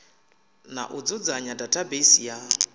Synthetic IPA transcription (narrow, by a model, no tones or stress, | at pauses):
na̰ʔʊd͡zʊd͡zaɲadatʰʼabesija